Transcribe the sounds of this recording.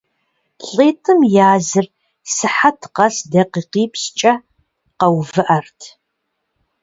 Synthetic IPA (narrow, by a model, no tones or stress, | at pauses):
ɬʼeːtʼɨmjaːzɨr | sɨħatʰqɐsdɐqiːqiːpʰst͡ʃʼɐ | qɐwvɨʔɐrtʰ